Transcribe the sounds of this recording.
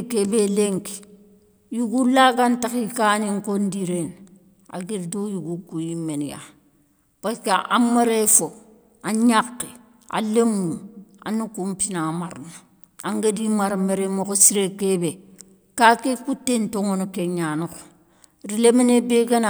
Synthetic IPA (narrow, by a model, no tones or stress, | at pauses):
kebeleŋki̥ | juɡulaɡantakikaniŋkondiɾen | a̰ɡiɾdojuɡukujimːenja̰ | paskaamaɾefo | aɲakːe | a̰lemua̰nukumpinamaɾnu | aŋɡadimaɾmeɾemokosiɾekebe | kakekutːentoŋonokeɲanuko̥ | ɾilemenebeɡan